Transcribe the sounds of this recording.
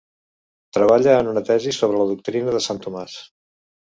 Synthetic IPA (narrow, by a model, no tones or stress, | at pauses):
t̪ɾəβaʎəːnunət̪ɛzisoβɾələðuk̚t̪ɾinəðəsant̪umas